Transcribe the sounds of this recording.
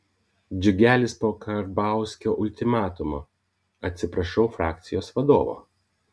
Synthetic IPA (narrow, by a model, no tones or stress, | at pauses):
d͡ʒʲʊɡʲæːlʲɪspoːkɐɾbɑˑʊsʲkʲoːʔʊlʲt̪ʲɪmɑːt̪ʊmoː | ɐt̪ʲsʲɪpɾɐʃʲɛʊfɾɑːk̚t̪sʲɪjoːsʋɐd̪oːʋo̰ː